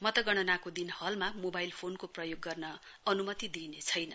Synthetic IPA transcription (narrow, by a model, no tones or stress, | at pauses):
mʌt̪ʌɡʌɽ̃ʌnakod̪inhʌlmamobajlpʰonkoprʌjoɡːʌrnʌ | ʌnumʌt̪id̪inet͡sʰʌjnʌ